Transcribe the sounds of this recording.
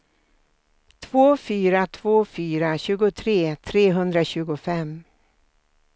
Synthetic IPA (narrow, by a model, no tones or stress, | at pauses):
t̪ʰvoːfyːɾat̪ʰvoːfyːɾaɕʉ̟ːɡʊt̪ʰɾeːt̪ʰɾeːɦɵnd̪ɾaɕʉ̟ːɡʊfɛm